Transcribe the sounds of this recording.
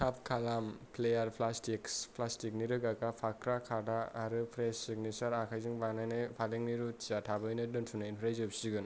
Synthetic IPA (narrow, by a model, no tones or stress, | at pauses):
tʰap̚kʰalampʰlejaɾpʰlastikspʰlastik̚niɾɯɡakapʰakʰɾakʰadaːɾɯpʰɾesiɡnisaɾakʰajzɯŋbanajnɯjpʰaleŋniɾutʰizatʰabɯjnɯdɯntʰunainpʰɾajzɯbsiɡɯn